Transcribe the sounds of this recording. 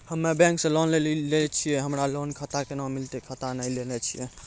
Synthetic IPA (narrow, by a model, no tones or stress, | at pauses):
həmːebɛ̃ŋksẽlɔnlellenɛt͡ʃʰijɛɦəmɾalonkʰət̪akenãmilt̪ekʰət̪anəjlenɛt͡ʃʰijɛ